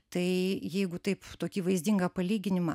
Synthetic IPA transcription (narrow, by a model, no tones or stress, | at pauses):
t̪ɐɪjɛɪɡʊt̪ɐɪpt̪oːkʲiːʋɐɪzʲd̪ʲɪŋɡɐpɐlʲiːɡʲɪnʲɪmɐ